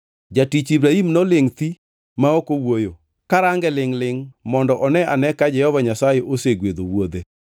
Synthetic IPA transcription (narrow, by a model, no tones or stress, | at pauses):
d͡ʒatit͡ʃibɾaimnɔlɪŋt̪i | maokowojo | kaɾaŋɡɛlɪŋlɪŋmɔndɔʔɔnɛʔanɛkad͡ʒɛhɔvaɲasajeʔoseɡwed̪owod̪e